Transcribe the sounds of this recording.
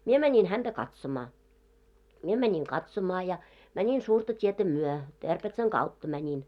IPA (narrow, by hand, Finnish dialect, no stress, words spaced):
mie mænʲin hænd̥æ kɑtsomɑ mie mænʲiŋ kɑtsomɑː jɑ mænʲin suːrtɑ tʲietæ myø terpetsɑŋ ɡ̊ɑutːɑ mænʲin